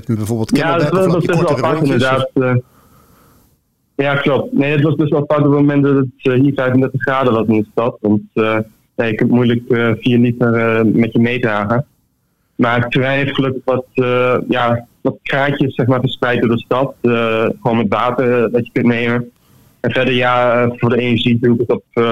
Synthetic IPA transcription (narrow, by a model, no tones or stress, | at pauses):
bˠjadɑtʋɑsɑsbɛsʋɛlˠfɑtɪndəɹdaːt | jaːklop̚tnejdɑtʋɑsbɛstʋɛlˠfɑtɔpmomɛnt̚dɑtəthiːfɛjfəndɛɹtəχraːdəʋɑsɪndəstɑtʋɑnt | jajəkʏntmujləkəfiːɹlitərəmɛtjəmejdraːχə | maɹtərɛjnɦeftχəlɵkəχʋɑtjaʋɑtkraːcəsːɛχmaːɹfəɹsprɛjt̚doɹdəstɑtəχəʋoːnmɛtʋaːtəɹdɑjəkɵntnejmə | ɛnvɛɹdəɹjaəvʊːɹdəenəʒidukətɔp